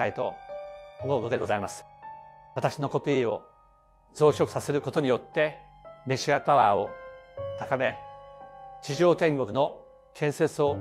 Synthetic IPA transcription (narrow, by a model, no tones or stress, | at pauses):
ait̪o̞̰ | oɡoɡ̪od̪eɡo̞zaimasɨ̥ | βat̪aɕino̞ko̞pʲiːo̞̰ | zo̞ːɕʲo̞kɯ̟sase̞ɾɯ̟ko̞t̪o̞ɲ̟ijo̞t̪ːe̞ | meɕiapaβaːo̰t̪akame̞ | t͡ɕiʑo̞ːt̪ẽ̞ŋɡo̞kɯ̟no̞ | kʰẽ̞ɰ̃se̞t͡sɨo̞